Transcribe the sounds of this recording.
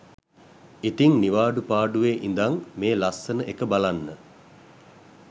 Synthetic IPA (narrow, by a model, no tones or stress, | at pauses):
it̪iŋniʋaːɖupaːɖuʋeːʔind̪aŋmeːlasːənəʔekəbalanːə